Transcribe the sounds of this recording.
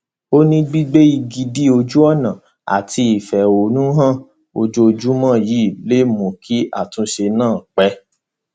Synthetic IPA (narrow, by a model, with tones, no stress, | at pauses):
o˦nĩ˧ɡ͡bi˦ɡ͡be˦i˧ɡi˧di˦o˧d͡ʒu˦ɔ˦˨nã˨ | a̰˨ti˧i˨fɛ˨o˨nũ˦ɦã˦˨ | o˧d͡ʒo˧d͡ʒu˦mãː˦˨ji˨˦˨le˦mõ˨kʰi˦a̰˦˨tũ˦ʃe˧nãː˦˨k͡pɛ˨˦